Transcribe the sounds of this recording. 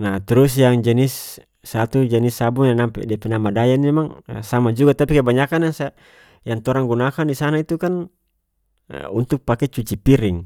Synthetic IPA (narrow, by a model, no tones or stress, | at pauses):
naht̪ɛɾusjaŋd͡ʒɛnisː | at̪ud͡ʒɛnisːabuŋjanampɛ̰dɛpɛnamadajanmɛmaŋ̰samad͡ʒuɡat̪apikabaɲakanaŋsa | jaŋt̪ɔɾaŋɡunakandisanait̪ukan | unt̪uk̚pakɛt͡ʃut͡ʃipiɾiŋ